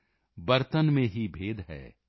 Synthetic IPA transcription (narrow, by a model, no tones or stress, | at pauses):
bɐɾt̪ənmẽɦibʱeːd̪ɦɛ̰ː